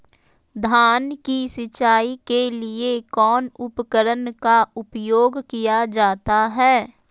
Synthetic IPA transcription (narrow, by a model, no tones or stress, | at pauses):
d̪ʱaːnkisɪt͡ʃaːikeliekɔːnʊpəkəɾənkaʊpjoːɡkijad͡ʒaːt̪aɦɛː